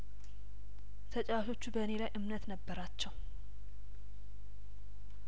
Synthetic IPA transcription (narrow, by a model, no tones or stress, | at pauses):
t̪ʰət͡ʃʼawʃo̞t͡ʃːubəne̞lajʔɨmnət̪nəbːəɾat͡ʃːɛw